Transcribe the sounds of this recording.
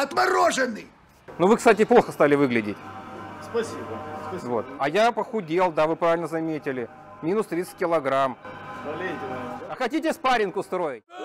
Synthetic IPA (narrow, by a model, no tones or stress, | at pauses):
ɐt̪mɐɾoʐɨnːɨj | nuvɨkst̪atʲɪplˠo̞xəst̪alʲɪvɨɡlʲɪdʲɪtʲspɐsʲibəvo̞̰t̪ɐjapəxʊdʲe̞lˠd̪avɨpɾavʲɪlʲnəzɐmʲetʲɪlʲɪ | mʲinʊst̪ɾʲit̪sə̥t̚ʲkʲɪlˠɐɡɾamɐlʲeɐxɐtʲitʲɪspaɾʲɪnkʊst̪ɾo̞jɪt̚ʲ